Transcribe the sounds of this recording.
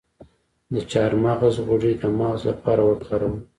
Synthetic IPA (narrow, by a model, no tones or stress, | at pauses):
d̪ət͡ʃɑɾmaɣzɣʊʐid̪amɑɣslapʰɑɾawəkaɾəm